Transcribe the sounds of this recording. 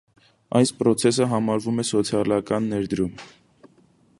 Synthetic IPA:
ɑjspɾɔt͡sʰɛs̬əɦɑmɑɾvumɛsɔt͡sʰjɑlɑkɑnːɛɾd̪əɾum

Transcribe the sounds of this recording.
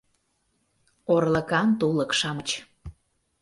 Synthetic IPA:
orləkɑnt̪uləkʃɑmət͡ɕ

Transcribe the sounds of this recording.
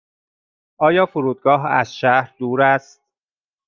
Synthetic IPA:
ʔɒːjɒːfoɾuːd̪̚ɡɒːɦæ̰zʃæhɾd̪uːɾæst̪̚

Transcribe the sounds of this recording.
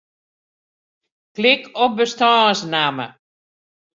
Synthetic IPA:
klɪkʰɔp̚bəstɔːsnamə̰

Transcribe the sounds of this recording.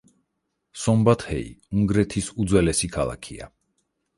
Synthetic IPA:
sɔmbat̪hɛ̰ḭuŋɡɾɛt̪ʰisud̪zwɛlɛsikʰalˠa̰kʰia̰

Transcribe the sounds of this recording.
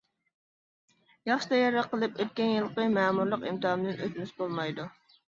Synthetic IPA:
jɑχʃɨd̪ɑjɑɾɑqʰəlˠɨpøt̪̚kʲɛnjɨlˠqəmæːmuɾlˠəqimt̪ɨhɑmɨd̪ɪnøt̪mysbolˠmɑjd̪u

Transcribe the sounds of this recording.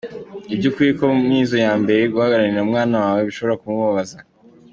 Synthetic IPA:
ibɟukiikomniːzo̞jaːmbe̞ɾe̞ɡuhaɡaɾaniɾaumŋaːnawaːweβiʃo̞βo̞ɾakumuβaβaza

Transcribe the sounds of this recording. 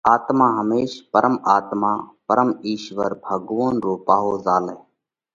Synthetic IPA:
aːt̪mãːɦəmeːʃpəɾəmaːt̪maːpəɾəmiːʃʋəɾbʱəɡʋoːnɾoːpaːɦoːzaːleː

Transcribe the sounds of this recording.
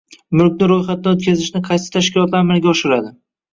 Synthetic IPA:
mʊlkʲnɪɾojχat̪̚d̪anot̪̚kʲʰazɪʃnɪqʰɑjsɪ̥t̪ʰaʃkʲɪlˠɒt̪laɾmalɡʲaɒʃɪɾad̪ɪ

